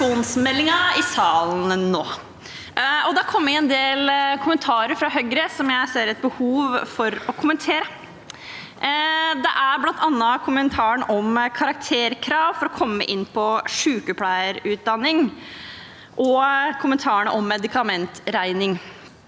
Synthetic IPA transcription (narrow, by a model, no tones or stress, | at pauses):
uːnsmɛlːɪŋɑɪsɑːlnənoː | ɔd̪ɑkʰɔmːəɾɛnd̪eːlkʰʊmənt̪ʰɑːɾəɾfɾɑɦœɡɾəsɔmjæɪseːɾɛt̪̚bəhuːʋfɔɾɔkʰʊmənt̪ʰeːɾə | d̪ɛʔæɾblɑnt̪ʰɑnːəkʰʊmənt̪ʰɑːəɳɔmkʰɑɾɑk̚t̪ʰeːɾkʰɾɑːʋfɔɾɔkʰɔmːə̰ʔɪnːpʰɔʂʉːkəpʰlæɪəɾʉːt̪̚d̪ɑnːɪŋ | ʔɔkʰʊmənt̪ʰɑːəɳə̰ʔɔmːɛd̪ɪkɑmɛnt̪ɾæɪnɪŋ